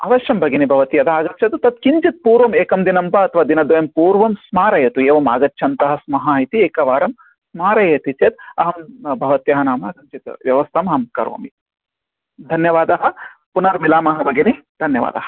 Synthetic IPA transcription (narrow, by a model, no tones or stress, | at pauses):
ɐ̰ʋɐʃjɐmbʱɐɡinibʱɐʋɐt̪iɐd̪aːɡɐt̪t͡ʃʰɐt̪ut̪ɐt̪kiɲt͡ʃit̪̚puːɾʋɐmeːkɐmd̪inɐmpɐɐt̪ʰɐʋaːd̪inɐd̪ʋɐjɐmpuːɾʋɐmsmaːɾɐjɐt̪ueːʋɐma̰ːɡɐt̪ːʃʰɐnt̪ɐɦɐ̆smɐɦɐːɦit̪ieːkɐʋaːɾɐm | smaːɾɐjet̪it͡ʃet̪ɐɦɐmbʱɐʋɐt̪jɐɦɐnaːmɐːɡɐɲt͡ʃit̪ʋjɐʋɐst̪ʰɐmɐɦɐmkɐ̰ɾʋɐ̰ːmi | d̪ʱɐnjɐʋaːd̪ɐɦɐ̆punɐɾmilaːmɐɦɐbʱɐɡinid̪̥ʱɐnjɐʋa̰ːd̪ɐɦɐ̥